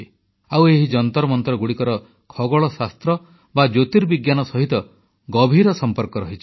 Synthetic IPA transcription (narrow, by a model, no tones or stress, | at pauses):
aweɦid͡ʒɔnt̪ɔɾɔmɔnt̪ɔɾɔɡuɽikɔɾɔ | kʰɔɡɔɭɔsast̪ɾɔ | bad͡ʒot̪iɾbiɡjanɔsɔɦit̪ɔ | ɡɔbʱiɾɔsɔmpɔɾkɔɾɔɦit͡ʃʰi̥